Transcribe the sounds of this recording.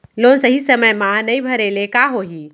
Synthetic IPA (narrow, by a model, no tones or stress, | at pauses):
lonsəɦisəməjmãnəibʱəɾelekaɦoɦi